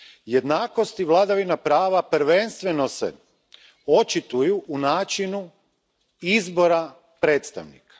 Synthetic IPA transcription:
jed̪naːko̞st̪iʋlˠad̪aʋinapɾaːʋapɾ̩ʋe̞nst̪ʋe̞no̞sḛ | o̞t͡ʃit̪ujuʔːnaːt͡ʃinu | izbo̞ɾa | pɾe̞ːt̪st̪a̰ʋnḭkḁ

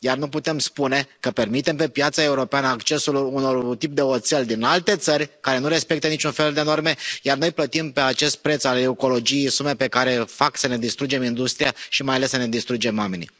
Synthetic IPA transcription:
jarnuput̪e̞mspune̞kəpe̞rmit̪e̞mpe̞pjat̪sae̞uɾo̞peanəakt͡ʃe̞suluno̞rt̪ip̚d̪e̞ot̪selʲd̪inalt̪e̞t̪sərʲkaɾe̞nuɾe̞spe̞k̚t̪ənit͡ʃunfe̞ld̪e̞no̞rme̞jarno̞jplət̪impe̞at͡ʃe̞st̪̚pɾe̞t̪saleuko̞lo̞d͡ʒijejsume̞pe̞kaɾe̞faksəne̞d̪ist̪ɾud͡ʒe̞mind̪ust̪ɾijaʃimajalesːəne̞d̪ist̪ɾud͡ʒe̞mwame̞nḭ

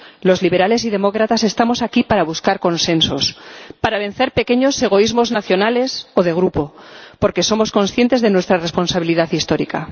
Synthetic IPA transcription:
lo̞zliβe̞ɾale̞s̬iðe̞mo̞kɾat̪ase̞st̪amo̞sakipaɾaβuskaɾko̞nsẽ̞nso̞spaɾaβ̞e̞nθe̞ɾpe̞ke̞ɲo̞se̞ɣ̞o̞izmo̞znaθjo̞nale̞so̞ðe̞ɣ̞ɾupo̞po̞ɾke̞so̞mo̞sko̞nsθje̞nt̪e̞zðe̞nwe̞st̪ɾare̞spo̞nsaβ̞iliðaθist̪o̞ɾika

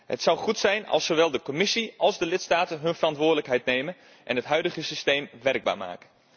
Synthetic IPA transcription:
ɦətsɑwχutsɛjnɑ̰lˠsowʋɛlˠdəkɔmɪsiʔɑlˠzdəlɪtstaːtənɦɵnvərɑntʋʊːɹdələkɦɛjtnejmən | ʔɛ̰nɦətɦœɥdəχəsistejmʋɛrɡ̚ba̰ːɹma̰ːkə

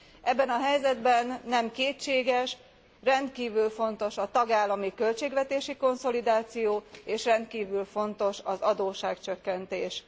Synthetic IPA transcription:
ʔɛbːɛnɒɦɛjzɛd̪bɛnːɛmkeːt͡ʃːeːɡɛʃ | rɛnt̪kiːvylfo̞n̪t̪o̞ʃɒt̪ɒɡaːlːɒmikølt͡ʃeːɡʋɛt̪eːʃiko̞nso̞lid̪aːt̪sijoːeːʃrɛnt̪kiːvylfo̞nt̪o̞ʃɒzɒd̪oːʃaːkt͡ʃøkːɛnt̪eːʃ

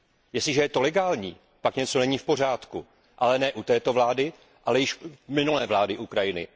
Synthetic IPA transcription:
jɛstɪʒɛjɛt̪o̞lɛɡaːlɲiː | pakɲɛt͡so̞nɛɲiːfpo̞r̝aːt̪ku | ʔalɛnɛːʔut̪ɛːt̪o̞vlaːdɪ | ʔalɛjɪʃmɪnulɛːvlaːdɪʔukɾajɪnɪ̰

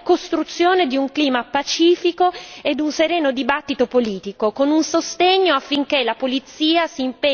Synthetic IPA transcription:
kost̪ɾut̪sːjoːned̪iuŋkliːmapat͡ʃiːfikoed̪ːunseɾɛːnod̪ibat̪ːit̪opoliːt̪ikokonunsost̪eɲːoafːiŋk̟elapolit̪sːiːasiːmpe

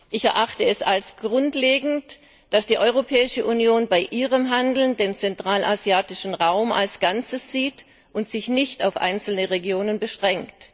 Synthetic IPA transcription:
ʔɪçɛɐʔaχtəɛsalsɡ̥ʁʊntleːɡŋ̩t | d̥asd̥iːʔɔʏʁopʰɛːɪʃəʔunjoːnbaɪʔiːʁəmɦandl̩ndeːnt͡sɛntʁ̥aːlʔazjaːtɪʃn̩ʁaʊmʔa̰lsɡ̥ant͡səsz̥iːt | ʔʊntz̥ɪçnɪçtaʊfʔa̰ɪnt͡sl̩nəʁeɡjoːnənbəʃʁ̥ɛŋkt

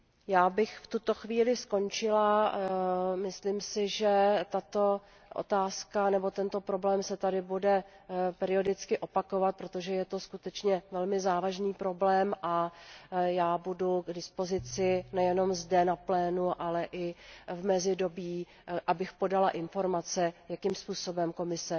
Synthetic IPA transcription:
jaːbɪxft̪ut̪o̞xviːlɪsko̞nt͡ʃɪla | mɪslimsɪʒɛt̪at̪o̞ | ʔo̰t̪aːskanɛbo̞t̪ɛnt̪o̞pɾo̞blɛːmsɛt̪adɪbudɛ | pɛɾɪo̞dɪt͡skɪʔo̞pako̞vat̪̚pɾo̞t̪o̞ʒɛjɛt̪o̞skut̪ɛt͡ʃɲɛvɛlmɪzaːvaʒniːpɾo̞blɛːmʔa | jaːbuduɡdɪspo̞zɪt͡sɪnɛjɛno̞mzdɛnaplɛːnuʔalɛʔɪvmɛzɪdo̞biː | ʔabɪxpo̞dalaʔɪnfo̞ɾmat͡sɛjakimspuːso̞bɛmko̞mɪsɛ

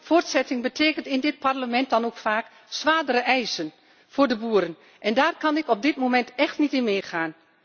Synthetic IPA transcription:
foːrtsɛtɪŋbətʰeːkəntɪndɪt̚parləmɛnt̚dɑnoːkfaːk | sʋaːdərəʔɛjsən | foːrdəbuəɾən | ʔɛndaːrkɑnɪkɔp̚dɪtmomɛntɛxtnitɪnmeːxaːn

